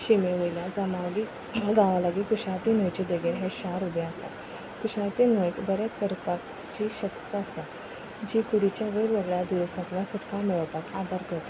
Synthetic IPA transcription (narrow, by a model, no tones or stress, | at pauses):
ɕimeʋəjljad͡zəmaʋli | ɡaʋalaɡikuɕãt̪inəjt͡ɕed̪əɡeɾɦẽɕaɾubjaəsa̰t̪ | kuɕãt̪inəjbəɾət̪kəɾt̪ak | d͡ʑiɕək̪t̪əsa | d͡ʑikuɽit͡ɕjaʋeɾʋeɡɭjad̪uʋsãt̪ljãsuʈ̪kãmeɭəʋt̪akad̪ʱaɾkəɾt̪ḁ